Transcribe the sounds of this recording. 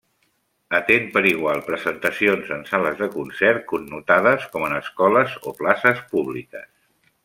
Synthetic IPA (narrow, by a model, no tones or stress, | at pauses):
ət̪enpəɾiɣ̞walˠpɾəzənt̪əsionzənsaləzðəkunsɛɾkunːut̪að̞əskɔmənəskɔləzo̰plasəspuβlikə̰s